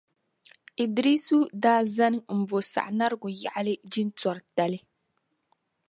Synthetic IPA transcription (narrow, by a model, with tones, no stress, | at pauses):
i˨dɾi˦su˦daː˦za˦nɨ˦m̩˦˨bo˨sa̰˨ʔna˦ɾɨ˦ɡʊ˨ja˨ʔa˦lɨ˦d͡ʒi˦n˦tɔ˨ɾta˨lɨ˦